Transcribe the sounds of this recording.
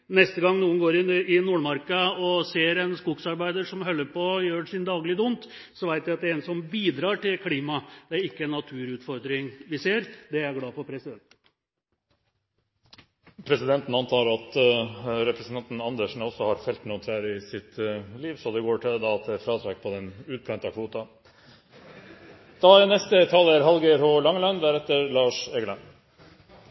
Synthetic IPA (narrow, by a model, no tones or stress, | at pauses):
nɛst̪əɡɑŋːnuːənɡoːɾɪnɪnuːɳmɑɾkɑɔseːɾɛnskʊɡsɑɾbæɪd̪əʂɔmɦœlːəɾpɔjøːʂɪnd̪ɑːɡlɪd̪ʊnt̪sɔʋæɪt̪ʋɪɑt̪d̪ɛɛːnəsɔmbiːd̪ɾɑːʈɪlkʰliːmɑd̪̥ɛæɾɪkːəɛnːɑt̪ʰʉːɾʉːt̪fɔɾd̪ɾɪŋʋɪseːɾd̪ɛæɾɡlɑːfɔpʰɾɛsɪd̪ɛnt̪ | pʰɾɛsɪd̪ɛnt̪nɑnt̪ʰɑːɾɑt̪ | ɾɛpɾɛsnɑnt̪n̩ɑnd̪əʂɳn̩ɔsːɔhɑɾfɛlt̪nɔt̪ʰɾæːɾɪsɪt̪liːʋsɔd̪ɛɡoːʈʰɪld̪ɑːɑt̪̚d̪ɛfɾɑːt̪ʰɾɛk̚ːpʰɔd̪ɛnʉːt̪̚kʰɑnt̪ɑkʰʋuːt̪ɑ | d̪̥ɑænɛst̪ət̪ʰɑːləɾɦɑlɡəhɔlɑŋlɑnd̪æɾɛt̪ːəɾlɑːʂɛɡəlɑn